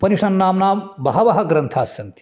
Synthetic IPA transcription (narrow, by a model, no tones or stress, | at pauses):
pɐniʂɐnːaːmnaːmbɐɦɐʋɐɦɐɡɾɐnt̪ʰaːsɐnt̪i̥